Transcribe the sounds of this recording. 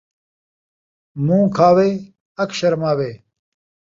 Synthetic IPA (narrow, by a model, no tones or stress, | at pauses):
mũːkʰaːweː | ɐkɕɐɾmaːweː